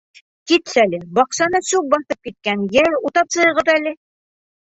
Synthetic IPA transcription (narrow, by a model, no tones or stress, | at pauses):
kit̪sælɘbɒqʃɑnɤsʉbɒθɤp̚kit̪̚kænjæɾut̪ɑpsɤ̆jɤ̆ʁɤðælɘ